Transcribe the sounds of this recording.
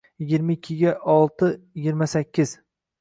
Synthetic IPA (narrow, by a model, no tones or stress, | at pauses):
jɪɡʲɪɾmaɪkʲʰːɪɡʲaʔɒlˠt̪ʰɪjɪɡʲɪɾmasakʲʰːɪz̥